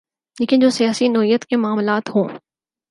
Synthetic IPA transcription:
leːkɪnd͡ʒoːsijaːsinoːɦijət̪kemʊaːmlaːt̪ɦõː

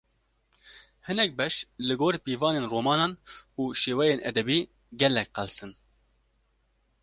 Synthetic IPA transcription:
hɨnɛk̚bɛʃlɨɡoːɾpiːvɑːneːnroːmɑːnɑːnʔuːʃeːwɛjeːnɛ̰d̪ɛbiː | ɡɛlːɛkqɛlsɨn

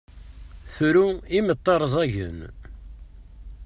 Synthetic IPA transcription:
θɾuimət̪ˤːɑɾˤzˤæʝə̰n

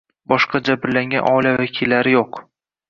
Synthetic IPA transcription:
bɒʃqɑd͡ʒabɪɾlaŋɡʲanʔɒlavakʲʰilːaɾɪjoq

